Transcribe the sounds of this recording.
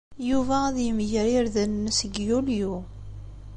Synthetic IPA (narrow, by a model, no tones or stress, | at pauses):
juvæðjəmʝəɾɪɾðænnːəsəɡjulju